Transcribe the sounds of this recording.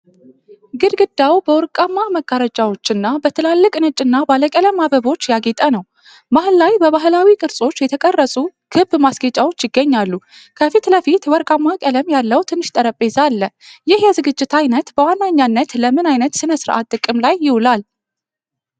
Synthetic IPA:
ɡɨɾɡɨd̪awbəwɔɾkʼamːaməɡ̥ːaɾət͡ʃʼawo̞t͡ʃːɨnːabət̪ʰɨlalːɨkʼnɨt͡ʃʼːɨnːabaləkʼələmabəβo̞t͡ʃːjaɡet̪ʼənəw | baɦɨlːajbəβaɦlawikʼɨɾsʼo̞t͡ʃːjɛt̪ʰəkʼərːəsʼukʰɨbmasɡət͡ʃʼawo̞t͡ʃːjɪɡːəɲːalːu | kʰəfit̪ləfit̪wɔɾkʼamːakʼələmjalːəwt̪ʰɨnːɨʃt̪ʼəɾəpʼːe̞zalːəjɪhjɛzɨɡɨd͡ʒːɪt̪ʰajnət̪bəwanːaɲːanːət̪ləmɨnajnət̪sɨnəsɨɾʔa̰t̪ʼːɨkʼːɨmlajːɪwʊlal

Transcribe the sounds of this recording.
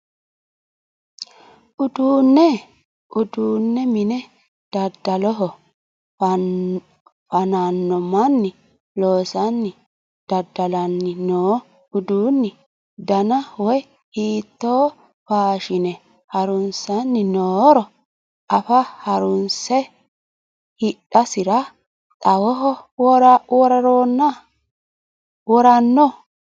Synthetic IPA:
ʔʊd̪uːnːɛ | ʔʊd̪uːnːɛmɪnɛ | d̪̥ɐd̪ːɐlɔɦɔ | fɐnanːɔmɐnːɪ | loːsɐnːɪ | d̪̥ɐd̪ːɐlɐnːɪnoː | ʊd̪uːnːɪ | d̪ɐnɐwɔj | hiːt̪ːoː | faːʃɪnɛ | hɐɾʊnsɐnːɪnoːɾɔ | ɐfɐhɐɾʊnsɛ | hɪɗɐsɪɾɐ | t̪ʼɐwɔɦɔwɔɾwɔɾɐɾoːnːa | wɔɾɐnːɔ

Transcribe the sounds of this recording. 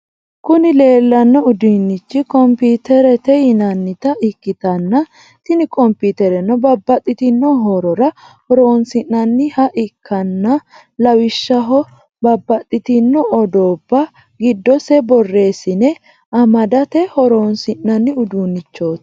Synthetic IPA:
kʊnɪle̞ːlːɐnːɔʊd̪unːɪt͡ʃːɪkɔmpiːt̪ɛɾɛt̪ɛjɪnɐnːɪt̪ɐʔɪkːɪt̪ɐnːɐ | t̪ɪnɪkʼɔmpiːt̪ɛɾɛnːɔbɐbːɐt̪ʼːɪt̪ɪnːɔɦoːɾɔɾɐ | hɔɾoːnsɪnːɐnːɪhɐʔɪkʰːɐnːɐ | lɐwɪʃːɐɦɔ | bɐbːɐt̪ʼːɪt̪ɪnːɔɔd̪oːbːɐ | ɡɪd̪ːɔsɛbɔrːe̞ːsɪnɛ | ɐmɐd̪ɐt̪ɛhɔɾoːnsɪnːɐnːɪʊd̪uːnːɪt͡ʃːo̞ːt̪

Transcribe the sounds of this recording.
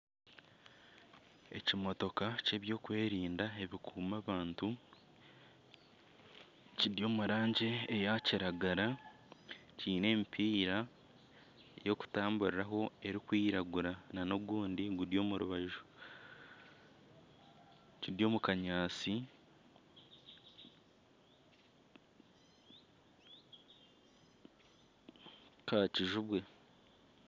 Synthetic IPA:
e̞cimo̞to̞kace̞βjo̞ːkwe̞ːɾiːndae̞βikʰuːmaβaːntu | ciɾjo̞ːmuɾaːɲɟe̞ːjaciɾaɡaɾa | ciːne̞ːmpʰiːɾa | jo̞ku̥taːmbuɾeɾaɦo̞e̞ɾikwiːɾaɡuɾanano̞βɡuːndiɡuɾjo̞ːmuɾuβaʒu | ciɾjo̞ːmukaɲaːt͡si | kaciʒuβwe̞

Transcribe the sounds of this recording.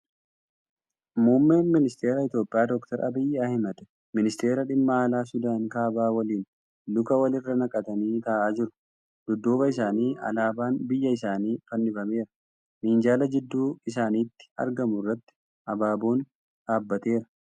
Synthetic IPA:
muːmːe̞ːnmɪnɪst̪e̞ːɾɐɪt̪jo̞ːpʼɪjaːd̪ɔkt̪ɐɾɐ̰bɪjːaːhɪmɐd̪ɛ | mɪnɪst̪e̞ːɾɐᶑɪmːɐaːlaːsʊd̪aːŋkaːbaːwɐliːn | lʊkɐwɐlɪrːɐnɐkʼɐt̪ɐniːt̪aːʔaːd͡ʒɪɾʊ̥ | d̪̥ʊd̪ːoːbɐɪsaːniːɐ̰laːbaːnbɪjːɐɪsaːniːfɐnːɪbɐme̞ːɾɐ̥ | miːnd͡ʒaːlɐd͡ʒɪd̪ːuːɪs̬aːniːt̪ːɪ̥ɐ̰ɾɡɐmʊrːɐt̪ːɪ̥ | ʔɐbaːboːn | ᶑaːbːɐt̪e̞ːɾɐ̥

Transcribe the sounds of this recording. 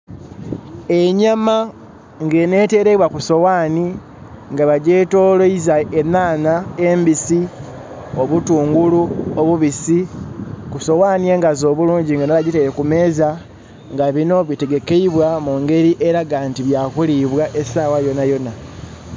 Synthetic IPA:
e̞ɲama | ŋɡe̞ne̞ːte̞ɾe̞βwakuso̞waːni | ŋɡaβaɟe̞ːto̞ːloizaenaːnaembisi | oβutuːŋɡuluoβuβisikuso̞waːnie̞ːŋɡazo̞ːβuluːɲɟiŋɡanaβaɟiteɾekume̞ːza | ŋɡaβino̞βite̞ɡe̞ke̞iβwamuŋɡe̞ɾiʔe̞ɾaɡaːntiβjakuliβwaʔe̞saːwajo̞najo̞na

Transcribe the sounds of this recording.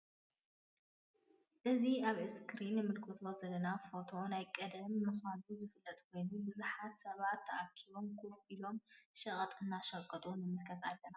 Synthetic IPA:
ʔɨziaβɨskʰɾinːɨmɨlkʰot̪ʰozɐlːɐnafo̞t̪ʰo̞najkʼɐd̪ɐmːɨxanuzɨfɨlːɐt̪ʼkʰo̞jnubɨzuħat̪sɐβat̪ʰːɐʔakʰiβo̞mkʰufilo̞mʃɨχʼɐt̪ʼɨnːaʃɐkʼːɐt̪ʼunɨmɨlkʰɐt̪alːɐna

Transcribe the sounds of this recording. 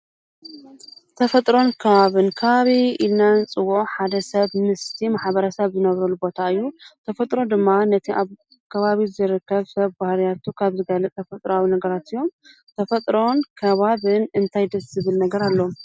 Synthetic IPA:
t̪ʰɐfɐt̪ʼɾo̞nkʰɐβaβɨnkʰɐβaβiilnant͡sʼɨwuʔħad̪ɐsɐβnɨst̪ʰimaħbɐɾɐsɐβzɨnɐβɾɐlubo̞t̪ʰaɨjːut̪ʰɐfɐt̪ʼɾo̞d̪ɨmːanɐt̪ʰiʔa | kʰɐβaβizɨɾɨkːɐβsɐβbahlijat̪ʰukʰaβzɨɡalɨt̪t̪ʰɐfɐt̪ʼɾawinɐɡɐɾat̪ɨjːo̞m | t̪ʰɐfɐt̪ʼɾo̞nkʰɐβaβɨnɨnt̪ʰajd̪ɐszɨβɨlnɐɡɐɾalːo̞

